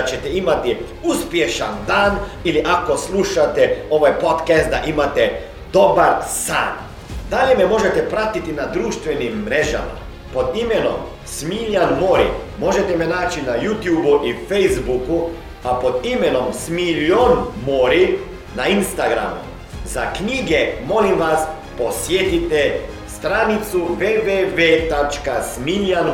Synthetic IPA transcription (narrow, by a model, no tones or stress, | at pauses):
t͡ʃɛt̪ɛimat̪i | uspjeʃa̰nd̪aːniliʔakosluʃat̪ɛo̞ʋajpot̪kɛst̪̚d̪aʔimat̪ɛ | d̪obaɾsa̰ːn | d̪aʎjemɛmo̞ʒet̪ɛpɾat̪it̪inad̪ɾuːʃt̪ʋɛnimːɾeʒa̰ma̰ | pod̪imɛno̰m | smiʎʲanmoːɾḭmo̞ʒet̪ɛmenaːt͡ʃinajut̪juːbuʔifejzbuku | apo̞d̪imeno̞msmiʎonmoɾi | nainst̪aɡɾa̰mṵ | zakɲiːɡemo̞limʋas | po̞sjet̪it̪ɛ | st̪ɾanit̪suʋeːʋeʋet̪at͡ʃkasmiʎan